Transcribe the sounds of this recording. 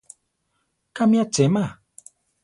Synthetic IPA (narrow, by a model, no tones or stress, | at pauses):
kamiat͡ʃema